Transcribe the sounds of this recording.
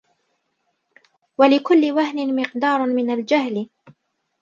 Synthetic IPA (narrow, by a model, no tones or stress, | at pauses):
walɪkʊlːɪwaɦnɪmɪqd̪ɑːɾˤmɪnald͡ʒaɦl